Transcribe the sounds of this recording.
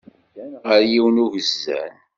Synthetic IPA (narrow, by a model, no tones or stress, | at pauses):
ʁəɾjiwənuvəzːæ̰n